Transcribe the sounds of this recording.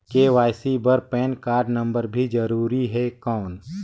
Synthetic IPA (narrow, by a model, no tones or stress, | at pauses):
keʋaːjsibəɾpɛːnkaːɾɖnə̃mbəɾbʱid͡ʒəɾuːɾiɦɛkɔːn